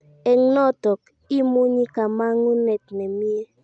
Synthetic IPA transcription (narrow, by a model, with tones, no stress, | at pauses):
ɛ˨ŋnɔ˦˨tɔ˨k | i˦mu˦ɲi˦ka˨ma˦ŋu˦nɛ˨tnɛ˨mi˦e˦